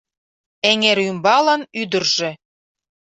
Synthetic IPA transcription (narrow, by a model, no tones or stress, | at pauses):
eŋeɾymbɑlə̆nyd̪ərʒĕ